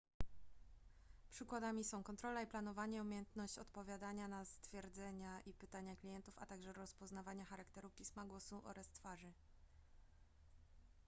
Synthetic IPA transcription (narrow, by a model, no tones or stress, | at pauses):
pʂɘkwad̪amʲisɔ̃w̃kɔnt̪ɾɔlaiplanɔvaɲɛumʲejɛnt̪nɔɕt͡ɕɔt̪pɔvʲjad̪aɲanast̪fʲjɛɾd̪zɛɲaʔipɘt̪aɲaklʲijɛnt̪ufa̰t̪aɡʐɛɾɔspɔznavaɲaxaɾakt̪ɛɾupʲismaɡwɔsuʔɔ̰ɾast̪faʐɘ